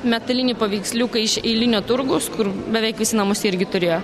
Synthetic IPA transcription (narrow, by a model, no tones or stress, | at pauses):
mʲɛt̪ɐlʲɪnʲiːpɐʋʲiːksʲlʲuːkɐɪʃɛɪlʲɪnʲoːt̪ʊɾɡoːskʊɾbʲɛʋʲɛɪkʋʲɪsʲɪnɐmʊsʲɪɾʲɡʲɪt̪ʊɾʲeːjoː